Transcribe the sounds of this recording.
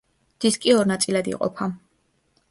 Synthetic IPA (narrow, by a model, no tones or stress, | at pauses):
d̪̥iskʼiɔɾnat̪sʼilad̪ḭqʼɔ̰pʰa